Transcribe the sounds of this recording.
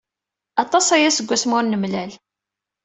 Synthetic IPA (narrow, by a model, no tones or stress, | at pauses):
ɑt̪ˤɑsæjæsəɡʷːæsmʊɾnəmlæl